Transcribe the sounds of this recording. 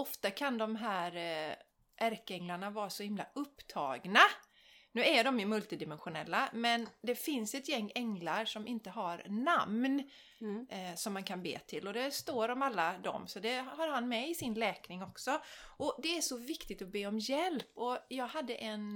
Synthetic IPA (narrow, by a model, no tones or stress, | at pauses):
ɔft̪akʰand̪ɔmɦæːɾ | ʔæɾkəɛŋlaɳavɑːɾasɔhɪmla̰ɵpːt̪ʰɑːɡna | nʉ̟ːæɖɔmɪmɵlt̪ɪd̪ɪmɛnɧʊnɛ̰lːamɛnd̪ɛfɪnsɛt̪jɛŋːɛŋlaɾʂɔmɪnt̪əɦaɾnamn | sɔmːankʰanbḛːt̪ʰɪlːɔd̪ɛst̪oːɾɔmalːad̪ɔ̰msɔd̪ɛhaɾɦanmɛɪsɪnlɛːknɪŋɔksɔʔɔd̪ɛæʂɔvɪkt̪ɪt̪ɔbeːɔmjɛlpɔjɑːɡɦad̪ːəʔɛn